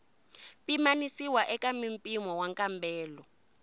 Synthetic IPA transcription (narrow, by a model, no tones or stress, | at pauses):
pimanisiwaʔɛkʼamimpʼimɔwaŋkʼambɛːlɔ